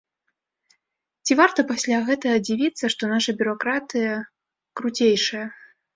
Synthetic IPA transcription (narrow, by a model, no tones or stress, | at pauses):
t͡sʲivart̪ɐpasʲlʲaɣɛt̪ɐɣɐd͡zʲivʲit̪sːɐʂt̪ɔnaʂɐbʲʊɾɔkɾat̪ɨjɐ | kɾut͡sʲejʂɐjɐ